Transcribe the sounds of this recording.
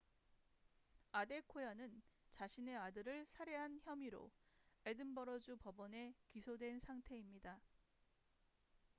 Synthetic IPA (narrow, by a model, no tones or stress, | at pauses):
ade̞kʰojʌnɯnt͡ɕaɕʰine̞adɯɾɯɭsʰaɾeɦançjʌmiɾo̰e̞dɯnbʌɾʌd͡ʑupʌbʌne̞kisʰodwe̞nsʰaŋtʰe̞imɲida